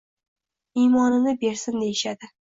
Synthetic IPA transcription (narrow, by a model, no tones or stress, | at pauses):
ijmɒnɪnɪbe̞ɾsɪnd̪e̞jɪʃad̪ɪ